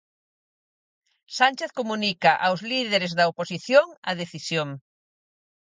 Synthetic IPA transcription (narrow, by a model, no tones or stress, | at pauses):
sanʲt͡ʃeθkomũnikɐʔawzliðeɾezðɐoposiθjoŋɐ̰ðeθisjoŋ